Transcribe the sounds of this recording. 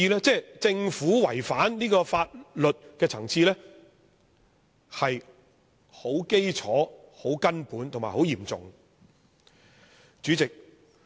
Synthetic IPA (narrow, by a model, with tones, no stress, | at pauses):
iː˧lɛː˥t͡sɛː˥˧t͡sɪ˧ŋfuː˨˥wɐ˨˩jfaː˨˥nniː˥kɔː˧faː˧t̚lɵ˨t̚kɛː˧t͡sʰɐ˨˩ŋt͡siː˧lɛː˥ | hɐ˨j | ho˨˥wke˥jt͡sʰɔː˨˥ho˨˥wkɐ˥npuː˨˥nt̪ʰʊ˨˩ŋmaː˨˩ho˨˥wjiː˨˩mt͡sʊ̰˨ŋ | t͡ʃyː˨˥t͡sɪ˨k̚